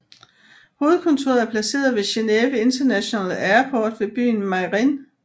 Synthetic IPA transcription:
ho̝ːð̩ˠkʰɔ̽nt͡sʰo̝ːɐæɐpʰlæse̝̰ːɐð̩ˠʋe̝ɕe̝neːʋəe̝nd̥ɐnæɕo̝nɛ̰ːl̩æɐpʰɒːd̥ʋe̝b̥y̰ːnmɑ̈ɪʁin

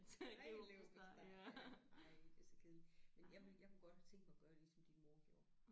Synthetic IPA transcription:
leʊsd̥sɑ | d̥esɐkʰe̝ðˠn̩menjɑ̈ɪʋe̝ljɑ̈ɪkʰuɡ̥ɒ̽d̥t͡sʰeŋɡ̥mɡ̥ɶɐdelisɒ̽md̥inəmoɐɡ̥jo̝ːɐ

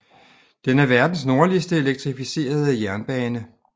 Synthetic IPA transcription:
d̥enæɐʋæɐd̥n̩sno̝ɐliəsd̥əe̝leɡ̥̚t͡sʰʁifise̝̰ːɐð̞ˠijæɐnb̥ɛːnə

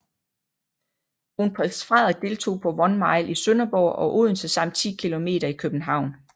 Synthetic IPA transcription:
unpʰʁɛ̥sfʁɑðˠɐ̥d̥e̝ːlt͡sʰo̝̰ːpʰɒ̽ʋɒ̽nmɑ̈ɪlʔisønɐb̥ɒ̰ːɒ̽ʔoðˠn̩sæsɑ̈m̰d̥t͡sʰḭːkʰilo̝me̝̰ːɾ̥ɐikʰøb̥n̩ɦɑ̈ʊ̰n

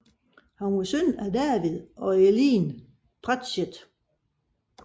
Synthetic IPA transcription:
hɑmusønæd̥æɐʋiðˠʔɒ̽eliːn | pʰʁad̥ɕed̥

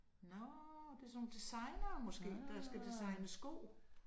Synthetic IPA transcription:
nɔd̥e̝sɔ̽no̝ːn̩d̥isɑ̈ɪnɐːmɔsɡ̥e̝̰ːd̥ɑsɡ̥æd̥isɑ̈ɪnəsɡ̥o̰ː

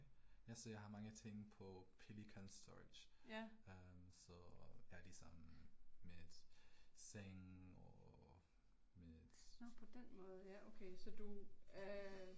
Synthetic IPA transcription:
jæsɒjɑ̈ɪhɑ̈mɑ̈ŋət͡sʰeŋ̰pʰɒ̽pʰelikʰɒnsd̥ɔ̰̥jømsɒjælisɒmː | ed̥seŋɒ | med̥nɔpʰɒ̽d̥enmɔ̽ːð̩ˠjæʔoʊkʰesɒd̥u

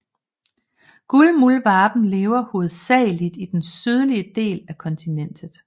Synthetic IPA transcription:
ɡ̥ulmulʋɑːb̥n̩le̝ːʊɐho̝ð̞̩ˠsɛ̰ːɪlid̥id̥ensyð̞ˠliəd̥e̝̰ːlækʰɒ̽nt͡sʰinen̰d̥ð̩ˠ

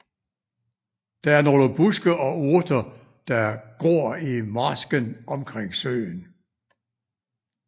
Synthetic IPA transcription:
d̥ɑ̈æɐno̝ːləb̥usɡ̥əʔɒ̽uɐd̥ɐ | d̥ɑ̈ɡ̥ɔːɐ̰imɑsɡ̥ənʔɒ̽mkʰʁeŋ̰sø̰ːn

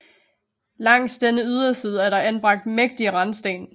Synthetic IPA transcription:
lɑ̈ŋ̰d̥sd̥enəyð̞ˠɐsiːð̞ˠəæɐɾɑ̈ʔænb̥ʁɑ̈ɡ̥̚d̥meɡ̥̚d̥iəʁɑ̈nsd̥ḛːn

